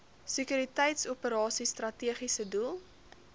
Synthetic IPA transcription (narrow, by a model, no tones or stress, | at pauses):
səkyɾitɛjtsupəɾɑːsistrɐtiəχisədulˠ